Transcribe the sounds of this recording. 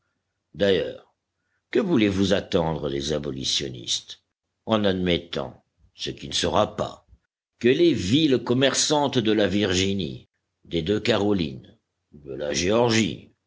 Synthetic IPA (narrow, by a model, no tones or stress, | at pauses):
d̪ajœːʁ | kəvulevuzat̪ɑ̃d̪ʁəlezabɔlḭsjɔ̰nḭst̪ | ɑ̃nad̪mɛt̪ɑ̰̃ | səkʲinəsəʁapa̰ | kəlevilkɔmɛʁsɑ̃t̪d̪əlaviʁʒinḭ | d̪ed̪økaʁɔlḭn | d̪əla̰ʒeɔʁʒḭ